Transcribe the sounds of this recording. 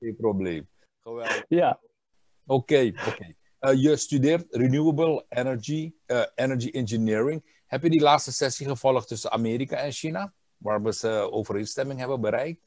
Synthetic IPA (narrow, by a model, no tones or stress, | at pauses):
eprobleːm | χəʋɛlˠdəja | okeːokej | jəstydɪːrtrinjuəbəlˠɛnəɹd͡ʒiɛnəɹd͡ʒiʔɪnd͡ʒənɪːɹɪŋ | hɛpjədilaːtstəsɛsiχəvɔlˠəχtʏsəna̰meːɾikaɛnʃina | ʋaːrʋəsəoːvəɾenstɛmɪŋɦɛbənbəɾɛjk̚t